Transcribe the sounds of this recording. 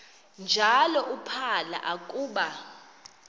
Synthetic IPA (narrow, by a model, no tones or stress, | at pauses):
nd͡ʒʱalɔʔupʰala̰ʔakʼuːɓa